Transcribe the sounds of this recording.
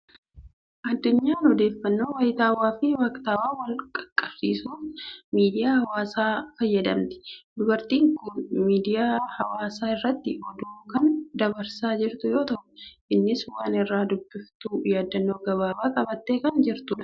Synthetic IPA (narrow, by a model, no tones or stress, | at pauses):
ʔɐd̪ːʊɲːaːnɔd̪e̞ːfːɐnːo̞ːwɐjɪt̪aːwaːfɪwɐkt̪aːwaːwɐlkʼɐ̥kʼːɐfsiːsuːfmiːd̪ɪjaːhɐwaːsaːfɐjːɐd̪ɐmt̪ɪ̥d̪ʊbɐɾt̪iːŋkʊnmiːd̪ɪjaːhɐwaːsaːɪrːɐt̪ːɪʔɔd̪oːkɐnd̪ɐbɐɾsaːd͡ʒɪɾt̪ʊjo̞ːt̪ɐʔʊ̥ʔɪnːɪswaːnɪrːaːd̪ʊbːɪft̪uːjaːd̪ːɐnːo̞ːɡɐβaːbaːkʼɐbɐt̪ːeːkɐnd͡ʒɪɾt̪ʊᶑɐ̥